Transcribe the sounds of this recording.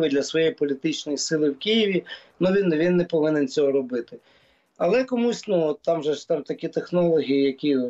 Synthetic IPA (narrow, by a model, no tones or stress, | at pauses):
ʋɪd̪lʲɐsʋɔjejipɔlʲit̪ɪt͡ʃnɔjisɪlˠɪwkʲijiʋʲinuʋʲinʋʲinːɛpɔʋɪnɪnt͡sʲɔɦɔɾɔbɪt̪ɪ | ɐlˠɛkɔmusʲnuɔt̪ːamʒɛt̪amt̪ɐkʲit̪exnɔlˠɔɦʲijijɐkʲi